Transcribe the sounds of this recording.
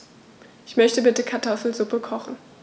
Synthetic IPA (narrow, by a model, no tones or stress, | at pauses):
ʔɪçmœçtəbɪtəkʰaɐtʰɔfl̩zʊpəkʰɔχn̩